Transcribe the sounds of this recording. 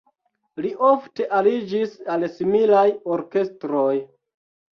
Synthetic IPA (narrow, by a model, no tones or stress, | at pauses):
liʔofte̞ʔalid͡ʒisalsimilajo̞ɾke̞stɾoj